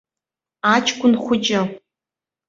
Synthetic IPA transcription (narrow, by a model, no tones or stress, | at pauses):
at͡ʃʰkʷʼʊnχʷʊt͡ʃʼɪ